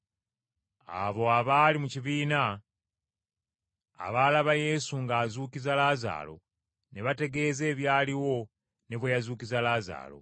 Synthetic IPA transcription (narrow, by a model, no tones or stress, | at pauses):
a̰βo̞aβaːlimuciβiːna | a̰βaːlaβaje̞suŋɡaːzuːkizalaza̰ːlo̞̰ | ne̞βate̞ɡe̞ːze̞ːβjaːliwo̞ | ne̞βwejazuːkizalaːza̰ːlo̞̰